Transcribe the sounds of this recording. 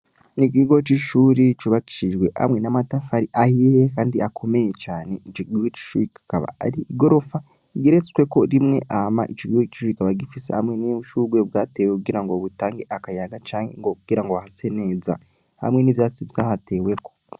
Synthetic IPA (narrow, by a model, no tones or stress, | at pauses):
nikiɡo̞t͡ʃiʃuːɾit͡ʃuβaki̥ʃid͡ʒɡweha̰mŋe̞namatafaɾiʔahijekaːndiʔakʰo̞mejet͡ʃaːne̞it͡ʃiɡihot͡ʃi̥ʃuɾikḁkaβa̰a̰ɾiiɡo̞ɾo̞fa | ɡiɾet͡si̥kwe̞ko̞ɾimŋe̞̰ʔama̰ʔit͡ʃiɡihot͡ʃi̥ʃuɾikaβaɡifisḛha̰mŋeniuʃuɡwebɡaːteːwekuɡiɾaŋɡoβutaːŋɡeʔakajaɡat͡ʃaːŋḛŋɡokuɡ̥iɾaŋɡoahase̞ne̞ːza̰ | ha̰mŋe̞nivjaːt͡siβjaːhate̞ːwe̞ko̞